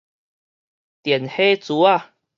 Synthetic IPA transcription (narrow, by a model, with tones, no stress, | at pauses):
t̪jɛ˨˩nhe˦t͡su˨˦a˥˨